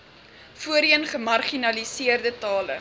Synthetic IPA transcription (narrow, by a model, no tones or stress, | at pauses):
fuəɾiənχəmɐrχinɐlisiərdətɑːlə̰